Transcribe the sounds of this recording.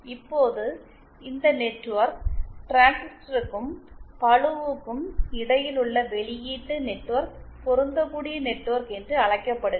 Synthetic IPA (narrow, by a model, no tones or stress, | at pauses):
ɪpːoːðɯ | ɪnd̪ɐnɛʈːʋɐɾk̚ʈɾaːnsɪʈɾɯkːɯmpɐɭɯʋɯkːɯmɪɽɐjɪlɯɭːɐʋɛɭɪjiːʈːɯnɛʈːɯʋɐɾk̚pɔɾɯnd̪ɐkːuːɽɪjɐnɛʈːɯʋɐɾkɛndrɯɐɭɐɪkːɐpːɐɽɯ